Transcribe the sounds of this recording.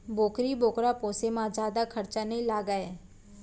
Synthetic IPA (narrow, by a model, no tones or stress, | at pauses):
boːkɾiboːkɾapoːsemãd͡ʒjaːd̪akʰəɾt͡ʃanəĩlaːɡaeː